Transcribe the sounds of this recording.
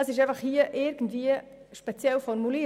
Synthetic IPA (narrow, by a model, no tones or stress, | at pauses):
ɑsɪʃ̬ɛɪfɑχhiːəʔɪɾɡən̩dviə | ʃpɛt͡sjɛlfɔɾmuli